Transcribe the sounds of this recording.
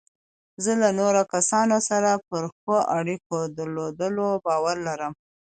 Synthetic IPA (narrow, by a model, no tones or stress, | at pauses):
zəlanoɾokasɑnosaɾapəɾxoʔaɽikod̪əɾlod̪əlobɑwaɾlaɾəm